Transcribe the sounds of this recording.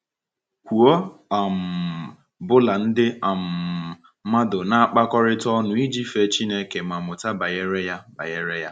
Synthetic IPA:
kʷu˨o˦a˨m̩˨ | bʊ˦la˨n̩˦dɪ˦a˨m̩˨ | ma˦dʊ˨na˦a˦˨k͡pa˦kɔ˦ɾɪ˦tɔ˦nʊ˨i˦d͡ʒi˦fe˦t͡ʃi˦ne˦ke˨ma˨mʊ˨ta˦ba˨je˦ɾe˦ja˦ba̰˨je˦ɾe˦ja˦

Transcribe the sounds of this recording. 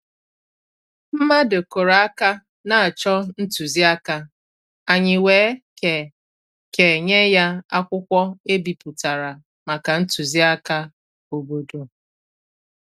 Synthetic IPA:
m̩˦ma˦do˨ko˨ɾa˨a˦ka˦ | na˨a˨t͡ʃɔ˦n̩˦tu˨zi˦a˦ka˦ | a˨ɲɪ˨weː˨˦e˨ | ke˨ɲe˦ja˦a˦kʷʊ˦kʷɔ˦e˦bi˨pu˨ta˨ɾa˨ | ma˨ka˨n̩˦tu˨zi˦a˦ka˦ | o˨bo˨do˨

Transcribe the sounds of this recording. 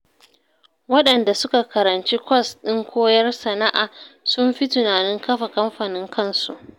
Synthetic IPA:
wɐ˦ɗɐ˨nda˨sʊ˦ka˨kɐ˨ɾɐ˨nt͡ʃi˦kʷɐ˦˨sɗɪ˦ŋkʷoː˦jɐ˦rsɐ˨na˦ʔaː˨sʊ˦mɸi˦tʊ˨naː˨nɪ˦ŋkɐ˦ɸa˨kɐ˦mɸaː˨nɪ˦ŋkʰɐ˦˨nsṵ˨ʔ

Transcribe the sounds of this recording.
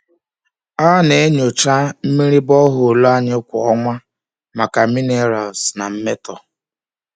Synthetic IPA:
a˦ne˨e˦ɲo˨t͡ʃa˦m̩˦mi˦ɾi˦bɔ˦ɦʊ˨lo˦a˦ɲɪ˦kʷʊ˨ɔ˦ŋʷa˦ | ma˨ka˨mi˦ne˦˨˦ɾa˨sna˨m̩˦me˦tɔ˨

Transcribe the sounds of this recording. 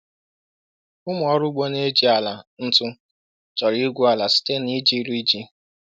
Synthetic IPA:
ʊ˦mʊ˨ɔ˦ɾʊ˦ɡ͡bo˦ne˦d͡ʒi˨˦a˨la˨n̩˦tʊ˦ | t͡ʃɔ˨ɾi˦ɡʷu˦a˨la˨si̥˦te˦ni˦d͡ʒi˦ɾi˦d͡ʒi˦

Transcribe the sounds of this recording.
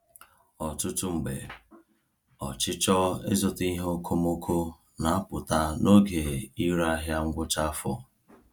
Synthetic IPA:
ɔ˨tʊ˦tʊ˦ŋ͡m̩˨ɡ͡be˨ | ɔ˨t͡ʃɪ˦t͡ʃɔ˦ɪ̰˦zɔ˨ti˦ɦo˦kʰo˦mo˦kʰo˦ | na˨a˦pʊ˨ta˦no˦ɡe˨i˦ɾa˦ɦja˦ŋ̩˦ɡʷʊ˦t͡ʃa˦fɔ̰˨

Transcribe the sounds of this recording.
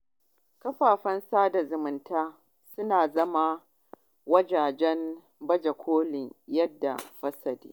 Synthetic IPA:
kɐ˦ɸaː˨ɸɐ˦nsaː˦da˨zʊ˨mʊ˨ntaː˦ | sʊ˦naː˨zɐ˦ma˦ | wɐ˦d͡ʒaː˨d͡ʒɛ˦n | bɐ˦d͡ʒɐ˨kʷʰoː˦lɪ˨ŋjɐ˦dːa̰˨ɸɐ˦sɐ˨dḛː˦

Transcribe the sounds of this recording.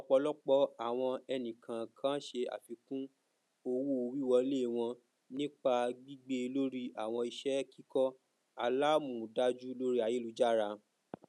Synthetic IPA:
ɔ˦k͡pɔ˧lɔ˦k͡pɔ˦a˨w̃ɔ̃˧ɛ˧nĩ˨kʰã˨kʰã˦ʃe˧a̰˨fi˨˧kũ˦ | o˧wu˦o˧wi˦˨wɔ˧˦le˦˨w̃ɔ̃˧ | nĩ˦k͡pa˧ɡ͡bi˦ɡ͡be˧lo˦ɾi˦a˨w̃ɔ̃˧i˧ʃɛ˦ki˦kɔ˦ | a˧la˦mũ˨da˧d͡ʒu˦lo˦ɾi˦a˨je˦lu˧d͡ʒa˦˨ɾa˧

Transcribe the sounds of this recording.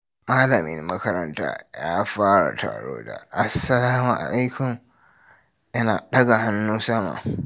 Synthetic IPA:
maː˦lɐ˨mɪ̰˦nːɐ˦kɐ˦ɾɐ˦nta̰ː˦jaː˦ɸaː˦ɽa̰˨tʰa̰ː˨ɽo̰ː˦da̰˨ʔa˨sːɐ˨laː˦mu˨ʔa̰˨la˦jkʊ˨m | jɐ˦naː˨ɗɐ˦ɡa˨ha˦nːuː˦sɐ˦ma̰ː˨

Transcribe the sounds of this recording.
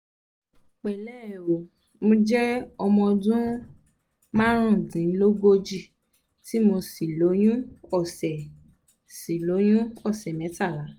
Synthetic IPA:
k͡pɛ˨lɛ˦˨o˨ | mõ˧d͡ʒɛ˦ɔ˧mɔ̃˧dũ˦ | mã˦ɾ̃ũ˦˨dĩ˨˦lo˦ɡo˧d͡ʒi˦˨ | ti˦mo˧si˨lo˨˦j̃ũ˦ɔ˦˨sɛ˨ | si˨lo˨˦j̃ũ˦ɔ˦˨sɛ˨mɛ̃˨˦ta˦˨la˨˦

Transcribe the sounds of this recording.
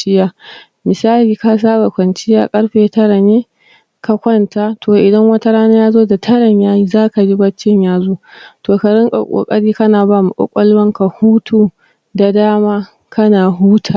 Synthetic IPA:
t͡ʃɪ˦jaː˦ | mɪ˨saː˦liː˨ka˦s̬aː˦ba˨kʷɐ˨nt͡ʃɪ˦jaː˦kʼɐ˦ɽɸeː˨tɐ˦ɽa˨neː˦ | ka˦kʷɐ˦nta˦tʰoː˨ʔɪ˨dɐ˦ŋwɐ˦ta˦ɽaː˦naː˦jaː˦zoː˦da˨tʰɐ˦ɽɐ˨ɲjaː˦ji˦zaː˦ka˨d͡ʒi˦bɐ˦t͡ʃːɪ˦ɲjaː˦zoː˦toː˨ka˨ɽɪ˦ŋkʼa̰˨kʷʼo̰ː˨kʼɐ˦ɽiː˦kɐ˦naː˨baː˦˨mu˨kʷʼɔ̰˦kʷʼɐ˦lwɐ˦ŋka˨huː˦tʰuː˦ | da˨daː˦maː˦ | kɐ˦naː˨ɦuː˦tʰa˨

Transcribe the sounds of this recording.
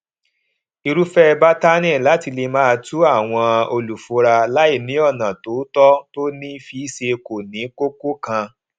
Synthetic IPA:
i˧ɾu˦fɛ˦˧ba˦ta˦nɛ̃˦˨la˨˦ti˧le˧mãː˦˧tu˦a˦˨w̃ɔ̃˧o˧lu˨fo˨˦ɾa˧la˦i˦˨nĩ˨˦ɔ˦˨nã˨to˨˦tɔ˦to˦nĩ˦fi˧˦ʃe˧ko˨nĩ˨˦ko˦ko˦kã˧

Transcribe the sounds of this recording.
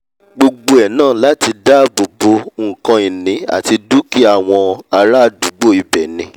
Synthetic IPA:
ɡ͡bo˧ɡ͡bo˧ɛ˨nãː˦˨la˦ti˧da˦bo˨bo˧˦˨kã˧i˨nĩ˨˦a̰˨ti˧du˦ki˦a˦˨w̃ɔ̃˧a˧ɾa˦˧du˨˦ɡ͡bo˦˨i˧bɛ˨nĩ˧˦

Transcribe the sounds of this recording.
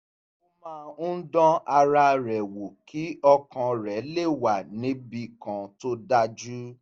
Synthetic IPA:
o˦mãː˦dɔ̃˦a˧ɾa˧ɾɛ˨wo˨kʰi˨˦ɔ˧kã˧ɾɛ˨˦le˦˨wa˨nĩ˨˦bi˧kã˨to˦da˧d͡ʒu˦

